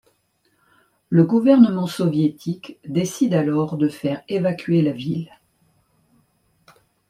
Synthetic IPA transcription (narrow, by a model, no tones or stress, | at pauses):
ləɡuvɛʁnəmɑ̃sɔvjet̪ʰikd̪esid̪alɔʁd̪əfɛʁevakʲɥelavil